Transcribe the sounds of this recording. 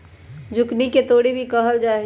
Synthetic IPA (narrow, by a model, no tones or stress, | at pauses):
d͡ʒʊkniket̪oːɽibʱikəɦəld͡ʒaːɦ